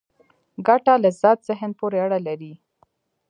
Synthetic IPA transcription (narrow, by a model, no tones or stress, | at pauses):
ɡaʈalazɑt̪z̥ɪɦənpoɾeaɽalaɾi